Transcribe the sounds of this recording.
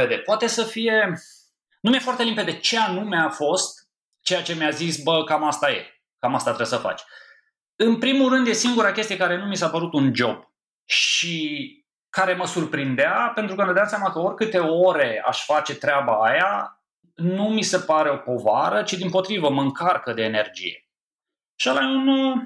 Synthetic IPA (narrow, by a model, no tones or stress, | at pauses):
ed̪e̞poat̪e̞səfije̞ | numʲjefoart̪e̞limpe̞d̪e̞t͡ʃe̞anumeafo̞st̪̚ | t͡ʃe̞jat͡ʃe̞mjazisbəkamast̪aje̞̰ | kamast̪at̪ɾebsəfa̰t͡ʃʲ | ɨnpɾimulrɨnd̪je̞siŋɡuɾakʲe̞st̪ije̞kaɾe̞numisapəɾut̪und͡ʒo̞b̥ | ʃi | kaɾe̞məsurpɾind̪eape̞nt̪ɾukəned̪amsjamakəo̞rʲkɨt̪e̞o̞ɾe̞a̰ʃfat͡ʃe̞t̪ɾʲeabaːja | numise̞paɾe̞o̞po̞vaɾət͡ʃid̪impo̞t̪ɾivəməŋkarkəd̪e̞ːne̞rd͡ʒḭje̞̰ | ʃalajunu